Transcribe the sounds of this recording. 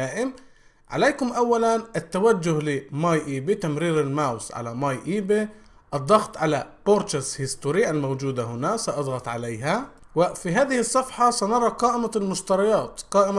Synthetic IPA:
aːʔɪm | ʕa̰leːkʊmʔawːalanʔɪt̪ːawad͡ʒːʊhlɪmaːjʔiːbit̪amɾiːɾɪlmawsʕa̰lamaːjʔiːbi | ʔɨd̪ˤːɑɣt̪ˤʕalaboɾt͡ʃashɪst̪ʊɾiʔalmowd͡ʒuːd̪aɦʊnasɑʔɑd̪ˤɣɑt̪ˤʕalajɦa | wɪfiɦaːðɪhɪsˤːɑfħɑsanɑɾˤɑqɑːʔɪmalmʊʃt̪ɑɾˤɑjɑːt̪qɑːʔɪma

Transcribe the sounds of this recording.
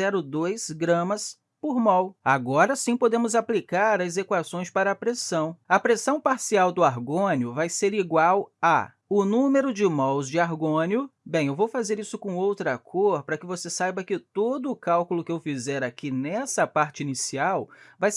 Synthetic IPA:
ɛɾʊd̪ojzɡɾɐ̃mɐs | poɾmawaɡɔɾɐsĩpod̪ẽmʊzaplikaɾɐezekwasõj̃spaɾɐːpɾesɐ̃w̃ɐpɾesɐ̃w̃paɾsiawd̪ʊaɾɡõnʊvajseɾiɡwawa̰ | ʊnũmeɾʊd͡ʒɪmawzd͡ʒɪaɾɡõnjʊbẽj̃ewvowfazeɾisʊkõowt̪ɾakʰoɾpɾɐkɪvosesajbɐkɪt̪od̪ʊːkawkʊlʊkɪewfizɛɾakinɛsɐpaɾt͡ʃɪinisiawvajs

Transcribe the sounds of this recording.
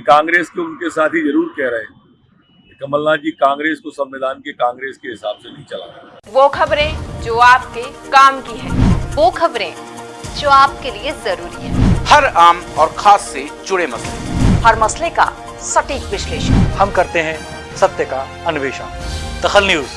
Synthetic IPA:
kãːŋɡɾeːskeʊnkesaːt̪ɦizɐɾuːɾkɛɦɾɐɦeː | kek̪ɐməlːaːkikãːŋɡɾeːskosɐmːed̪aːnkekãːŋɡɾeːskeɦɪsaːbsenĩt͡ʃɐla̰ːɾaː | ʋoːkʰɐbɾẽd͡ʒoːaːp̚kekaːmkiɦɛ̃ːʋoːkʰɐbɾẽd͡ʒoːaːp̚keliezɐɾuːɾiɦɛ̰̃ːhɐɾaːmɔːɾxaːsːed͡ʒʊɽemɐslehɐɾmɐsleka̰ | sɐʈiːkʋɪʃleːʃənhɐmkɐɾt̪eɦɛ̃ | sɐt̪jəka | ɐnʊʋeːʃənd̪̥ɐxəlnjuːz

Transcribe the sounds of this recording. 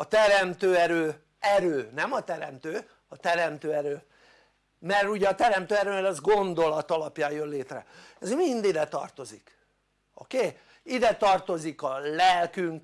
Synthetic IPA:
ɒt̪ɛɾɛmt̪øːɛɾøː | ɛɾøːnɛmɒt̪ɛɾɛmt̪øː | ɒt̪ɛɾɛmt̪øːɛɾøː | mɛruɟɛɒt̪ɛɾɛmt̪øːɛɾøːmɛɾɛzɡo̞nd̪o̞lɒt̪ɒlɒpjaːjjønleːt̪rɛ̰ɛzmind̪id̪ɛt̪ɒ̰rt̪o̞zik | o̰keː | id̪ɛt̪ɒrt̪o̞zikɒlɛlkyŋk

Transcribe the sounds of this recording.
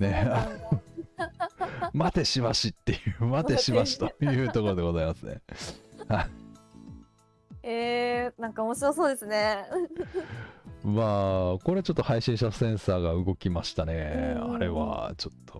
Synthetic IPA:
neano | mat̪e̞ɕiβaɕit̪ːe̞jɯ̟ːmat̪e̞ɕibaɕi̥t̪ojɯ̟ːt̪o̞koɾo̞d̪eɡo̞zaimasɨne̞̰hai | enãŋkaomoɕiɾoso̞ːd̪e̞sɨne̞ | maːko̞ɾe̞t͡ɕo̞t̪ːo̞haiɕĩɕt̪asẽ̞ɰ̃saːɡaɯ̟ɡo̞kʲimaɕi̥t̪ane̞aɾe̞βa̰t͡ɕo̞̥t̪ːo̞

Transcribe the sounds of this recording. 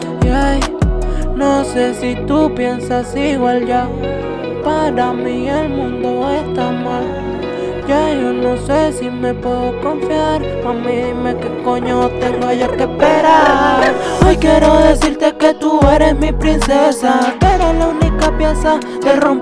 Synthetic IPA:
jaj | nosesit̪upjensasiɡwald͡ʒa | paɾamielmũnd̪oest̪amal | jajonosesimepweðokoɱfjaɾ | famimekekoɲot̪eŋlojokehpeɾaɾojkjeɾoðesiɾt̪eket̪ueɾesmipɾinsesakeɾelaunikapjesa | d̪erom

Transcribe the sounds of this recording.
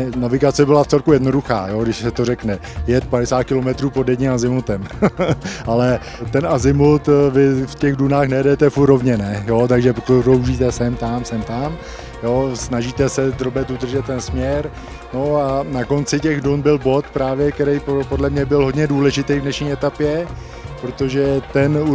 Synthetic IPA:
navɪɡat͡sɛbɪlaft͡sɛlkujɛdno̞duxa̰ːjoɡdɪʃsɛt̪o̞rɛknɛ | jɛt̪̚padɛsaːt̪̚kɪlomɛt̪ɾuːpodjɛdɲɛmazɪmut̪ɛm | alɛ | t̪ɛnʔazɪmut̪vɪfcɛɣdunaːxnɛjɛdɛt̪ɛfuɾo̞vɲɛnɛjo̞t̪aɡʒɛpoɾowʒiːt̪ɛsɛmt̪amsɛmt̪am | josnaʒit̪ɛsɛd̪robɛt̪ud̪r̩ʒɛt̪̚ːɛnsmɲɛɾ | no̞anako̞nt͡sɪcɛɣdunbɪlbo̞t̪pɾaːvjɛkt̪ɛɾɛjppo̞dlɛmɲɛbɪlɦo̞d̪ɲɛduːlɛʒɪt̪ɛjvdnɛʃɲiːɛt̪apjɛ | pɾot̪oʒɛt̪ɛnu

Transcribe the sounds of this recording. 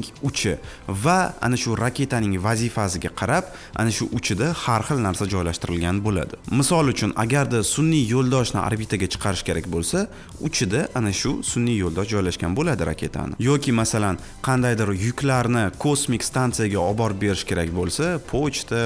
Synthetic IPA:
ʊt͡ʃʰɪvaa̰naʃʊɾakʲe̞t̪ʰanɪŋvazifasɪɡʲaqʰɑɾap | ʔa̰naʃʊʔʊt͡ʃʰɪd̪ahaɾχɨlnaɾsad͡ʒɒjlaʃt̪ɪɾɪlɡʲanbola̰d̪ɪmɪsɒlˠʊt͡ʃʰʊna̰ɡʲaɾd̪asʊnːiːolˠd̪ɒʃnɪ̰ʔa̰ɾbit̪ʰaɡʲat͡ʃʰɨ̥qʰɑɾɪʃkʲʰe̞ɾakʲbolsa | ʊt͡ʃʰɪd̪aʔanaʃʊsʊnːijolˠd̪ɒʃd͡ʒɒjlaʃkʲanbolad̪ɪɾa̰kʲʰe̞t̪ʰa̰nɪ̰jɒkʲʰɪmasalan | qʰɑnd̪ajd̪ɪɾjʊkʲlaɾnɪkʰosmikʲst̪ant̪sɨjaɡʲaɒbɒɾbe̞ɾɪʃkʲʰe̞ɾakʲbolsapʰot͡ʃt̪ʰa

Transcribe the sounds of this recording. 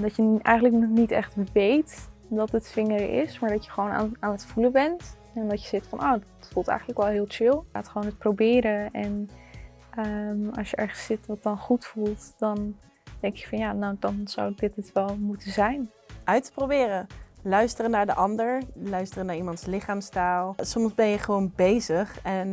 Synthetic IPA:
dɑtjəɛ̰jχəntləknɔnitɛ̰χtʋejt | dɑtətfɪŋəɹɪ̰smaːɹdɑtjəχəʋowna̰ːnaːnətfuləbɛnt | ɛndɑtjəzɪtfɑ̰noːdɪtfulˠtɛ̰jχənləkʋɛlˠɦɪːlˠt͡ʃɪlˠaːtχəʋownət̚prowbɪːɾəɛn | ʔəmɑ̰lˠsjəʔɛɹχəsɪtʋɑt̚dɑnχutfulˠtd̥ɑn | d̥ɛŋkɪkfɑnjaːnawdɑnz̥a̰wdɪtɪtʋɛlˠmutəzɛjn | ʔœɥtə̥prowbɪːrəlœɥstərənaːɹdəʔɑndəɹlœɥstərənaːɹimɑntslɪχaːmstaːlˠsɔmszbɛnjəχəʋownbejzəχɛn

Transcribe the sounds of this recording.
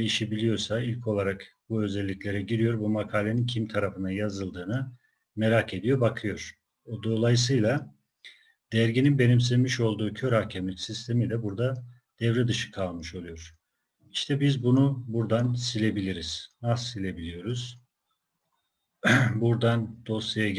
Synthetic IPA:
iʃibilʲijo̞ɾsailʲcʰo̞lˠaɾak | b̥uø̞zɛlʲːiclʲe̞ɾɛɟiɾijo̞ɾbumakʰaːlʲe̞nincʰimt̪ʰaɾafɯnd̪ajazɯlˠd̪ɯːnɯ | me̞ɾaːkʰe̞d̪ijo̞ɾbakʰɯjo̞ɾ̥ | od̪o̞lˠajɯsɯjlˠa | d̪̥æɾɟininbe̞nims̬izʲmiʃo̞lˠd̪uːcʰø̞ɾhahcʰɛmlʲicsist̪ʰe̞milʲɛbuɾd̪a | d̪̥ɛvɾɛd̪ɯʃɯ̥kʰalˠmɯʃo̞lˠujo̞ɾ̥ | iʃt̪ʰɛbizbunubuɾd̪ansilʲe̞bilʲiɾiz̥nasːilʲe̞bilʲijo̞ɾuz̥ | buɾd̪and̪̥o̞st̪aja

